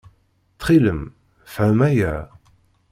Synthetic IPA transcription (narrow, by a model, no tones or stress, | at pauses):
θχiləm | fʕəmæjæ